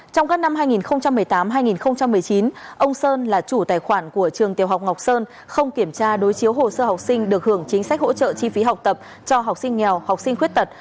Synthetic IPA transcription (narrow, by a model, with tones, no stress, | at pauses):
t͡ɕɔ˧wŋ͡mkaː˦˥k̚na˧mɦaː˧jŋi˨˩nxə˧wŋ͡mt͡ɕa˧mːɨ˨˩əjt̪aː˨˦mɦaː˧jŋi˨˩nxə˧ŋ͡mt͡ɕa˧mːɨ˨˩əjt͡ɕi˨˦nʔə˧wŋ͡msəː˧nlaː˨˩t͡ɕu˧˩t̪aː˨˩jxwaː˧˩nku˧˩ət͡ɕɨ˨˩əŋt̪i˨˩əwɦa˨˩k͡p̚ŋa˨˩wk͡p̚səː˧n | xə˧wŋ͡mki˧˩əmt͡ɕaː˧ɗo˨˦jt͡ɕi˨˦əwɦo˨˩səː˧ha˨˩wk͡p̚sï˧ŋ̟ɗɨ˨˩ək̚hɨ˧˩əŋt͡ɕï˨˦ŋ̟sa˦˥k̟̚ho̰˧˥t͡ɕə̰ː˧˨t͡ɕi˧fi˨˦ɦa˨˩wk͡p̚t̪ə˨˩p̚ | t͡ɕɔ˧ɦa˨˩wk͡p̚sï˧ŋ̟ŋɛ˨˩wha˨˩wk͡p̚sï˧ŋ̟xwi˦˥ət̚t̪ə˨˩t̚